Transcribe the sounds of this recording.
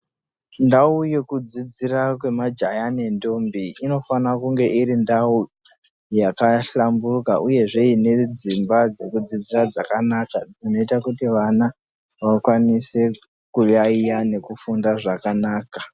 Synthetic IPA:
ndauje̞kud͡zid͡zirakwe̞mad͡ʒajane̞ndo̞mbiino̞fanakuŋɡe̞ʔiɾindau | jakaɬambuka̰ʔuje̞ʐe̞ine̞d͡zimbad͡ze̞kud͡zid͡zirad͡zakanakad͡zino̞itakutiʋana | ʋakwanise̞ | kujaijane̞kufundaʐakanaːka

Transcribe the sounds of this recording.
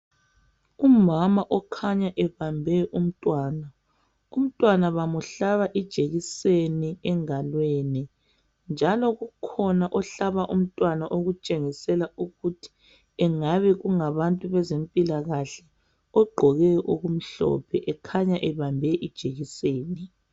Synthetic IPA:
umamaʔɔkʰaɲaʔɛβambʱɛʔum̩tʼwaːna | um̩tʼwanaβamuɬaβaʔid̥ʒ̥ʱeɣiseniɛŋalwɛni | nd͡ʒʱalɔɣukʰɔnaʔɔɬaβaʔum̩tʼwanaʔoɣut͡ʃʼeŋisɛlauɣutʰi̥ | ɛŋaβɛɣuŋaβantʼuβɛzempʼilaɣaɬɛ | ɔɡ͡ǃʱɔɣɛʔoɣum̩ɬɔ̰pʰɛʔɛkʰaɲaʔɛβambʱɛʔid̥ʒ̥ʱeɣiseːni

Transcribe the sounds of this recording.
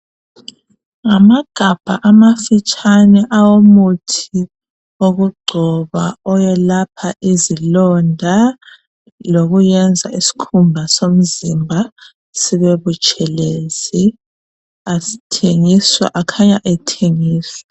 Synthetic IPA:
ŋamaɡ̥ʱab̥ʱaʔamafit͡ʃʼanɛʔawomutʰi | oɣuɡ͡ǀʱɔβaɔjɛlapʰaʔizilɔndʱa | loɣujɛnd͡zʱaisi̥kʰumbʱasom̩zimbʱa | sɛβeβut͡ʃʼʰɛleːzi | asi̥tʰeŋiswa̰ʔakʰaɲaʔɛtʰeŋiːswɛ̥

